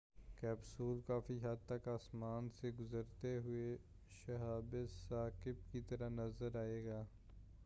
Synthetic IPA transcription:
kɛːbsuːlkaːfiɦɐd̪̚t̪ɐkaːsmaːnseɡʊzəɾt̪eɦʊe | ʃɐɦaːbɪsaːkɪbkit̪ɐɾanɐzəɾaːeːɡaː

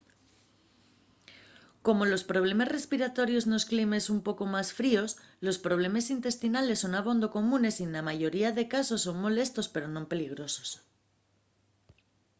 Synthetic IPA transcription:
ko̞mo̞lo̞spɾo̞β̞le̞mazre̞spiɾat̪o̞ɾjo̞zno̞sklime̞sumpo̞ko̞masfɾio̞slo̞spɾo̞β̞le̞masint̪e̞st̪inale̞sːo̞naβ̞o̞nd̪o̞ko̞mũne̞sienlamaʝo̞ɾiaðe̞kaso̞sːo̞ŋmo̞le̞st̪o̞spe̞ɾo̞no̞mpe̞liɣ̞ɾo̞so̞̥s

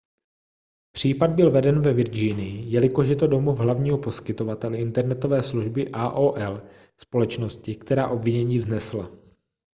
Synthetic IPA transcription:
pr̝̥iːpad̪̚bɪlvɛdɛnvɛvɪɾd͡ʒɪjnɪjɪjɛlɪkoʃjɛt̪odo̞muvɦlavɲiːɦopo̞skɪt̪o̞vat̪ɛlɪnt̪ɛɾnɛt̪o̞vɛːsluʒbɪʔaːʔoːʔɛl | spo̞lɛt͡ʃno̞scɪkt̪ɛɾaːʔo̞bvɪɲɛɲiːvznɛsla̰

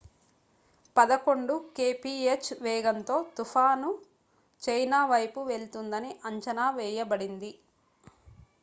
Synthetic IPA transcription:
pɐd̪ɐko̞ɳɖukeːpiːet͡ʃːʋɛːɡɐnt̪o̞ːt̪ufʰaːnu | t͡ʃɐjnaːʋɐjpuʋe̞ɭt̪und̪ɐniʔɐɲt͡ʃɐnaːʋɛːjɐbɐɽind̪i

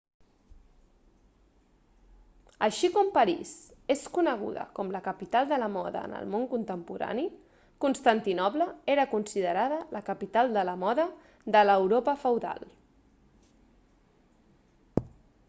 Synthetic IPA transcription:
əʃikɔmpəɾḭseskunəɣ̞ṵðə̰kɔmləkəpit̪alˠd̪ələmɔðə̰ənə̰lˠmoŋkunt̪əmpuɾa̰ni | kunst̪ant̪inɔpləeɾəkunsiðəɾaðələkəpit̪alˠd̪ələmɔðə | ðələwɾopəfəwða̰lˠ

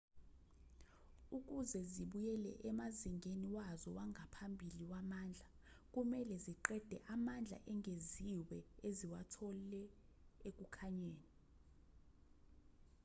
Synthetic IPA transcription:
uk̬ʼuzɛziɓujɛlɛ̰ʔɛmaziŋʱeniwazɔwaŋɡʱapʰambʱiliwamaːnd͡ɮʱa | k̬ʼumɛlɛziǃɛd̥ʱɛʔamand͡ɮʱa̰ʔɛŋʱeziwɛeziwatʰɔlɛ | ek̬ʼukʰaɲeːni

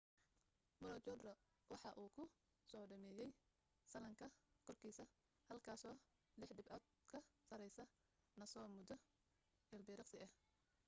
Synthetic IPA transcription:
bɐɾɔt͡ʃɔd̪rɐ | wɑħɑʔuːkʰʊ | sɔːɖɐmɛːjɛj | sɐlɐŋkʰɐkʰɔrkʰiːsɐ | hɐlkʰaːsɔː | lɪħd̪ɪbɐd̪kʰɐsɐɾɛjsɐ | nɐsɔːmʊd̪ɔ | ɪlbɪːɾɑqsɪʔɐh

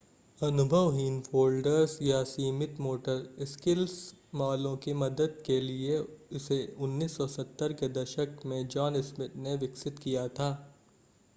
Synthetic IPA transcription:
ɐnʊbʱəʋɦiːnfoːlɖəɾzjasiːmɪt̪moːʈəɾɪskɪlsmaːlõkimɐd̪əd̪̚kelieɪseʊnːiːsːɔsɐt̪ːəɾked̪ɐʃəkmẽd͡ʒɔːnɪsmɪʈ̪neʋɪksɪt̪kijat̪ʰaː

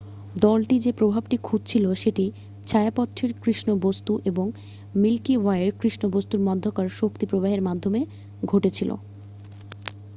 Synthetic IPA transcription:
d̪ɔlʈid͡ʑepɾobʱabʈikʰud̪t͡ɕʰiloʃeʈi | t͡ɕʰaeapɔt̪ːɾeɾkɾiʃnobost̪uʔeboŋ | milkiwaeɾkɾiʃnobost̪uɾmɔd̪ʱːokaɾʃokt̪ipɾobaɦeɾmad̪ʱːome | ɡʱoʈet͡ɕʰilʔo̰

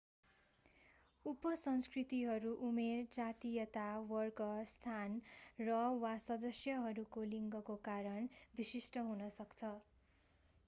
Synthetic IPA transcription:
upʌsʌnskrit̪iɦʌɾuʔumerd͡zat̪ijʌt̪awʌrkʌst̪ʰanrʌwasʌd̪ʌsjʌɦʌɾukoliŋɡʌkokaɾʌnbisisʈʌɦunʌsʌkt͡sʰʌ

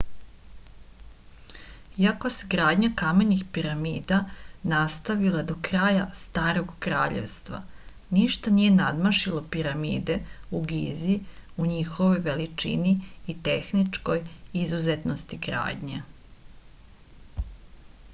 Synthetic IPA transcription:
iako̞seɡɾaːd̪ɲakameɲixpiɾamiːd̪anast̪aʋilˠad̪o̞kɾaːjast̪aːɾo̞ɡkɾa̰ːʎḛʋst̪ʋa̰ | niʃt̪anije̞nad̪maʃilopiɾamḭːd̪e̞uɡiziuɲixo̞ʋo̞jʋe̞lit͡ʂḭniːt̪e̞xnit͡ʃko̞jizuzet̪nost̪iɡɾa̰ːd̪ɲe

